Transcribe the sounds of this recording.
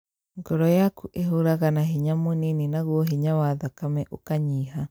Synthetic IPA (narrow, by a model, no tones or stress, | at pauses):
ŋɡɔɾɔjakuʔeɦoɾaɣanaɦiɲamonininaɣwɔɦiɲawaðakamɛʔokaɲiːɦa